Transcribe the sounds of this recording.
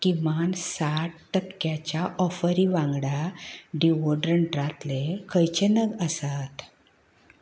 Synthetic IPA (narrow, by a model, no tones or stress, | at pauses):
kimansaʈʈəkːjat͡ɕjaʔɔfəɾiʋãŋɡɽaɖiʋoɖɾəɳʈɾat̪lekʰəjt͡ɕənəɡəsat̪